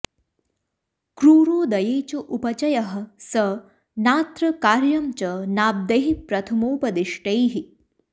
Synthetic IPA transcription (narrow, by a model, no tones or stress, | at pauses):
kɾuːɾoːd̪ɐjeːt͡ɕɐʔupɐt͡ɕɐjɐɦɐ̆sə | naːt̪ɾɐkaːɾjɐmt͡ʃɐnaːb̚d̪eɦipɾɐt̪ʰɐmoːpɐd̪iʂʈɐjɦi